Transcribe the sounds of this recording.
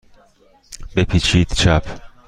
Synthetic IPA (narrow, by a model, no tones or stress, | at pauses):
bepʰiːt͡ʃʰiːd̪̥t͡ʃʰæpʰ